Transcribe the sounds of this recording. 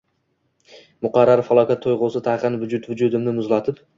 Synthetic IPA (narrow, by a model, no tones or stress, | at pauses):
mʊqɑɾːaɾfalˠɒkʲat̪ʰːojʁosɪt̪ʰahqɨnvʊd͡ʒʊt̪vʊd͡ʒʊd̪ɪmnɪmʊzlat̪ʰɪp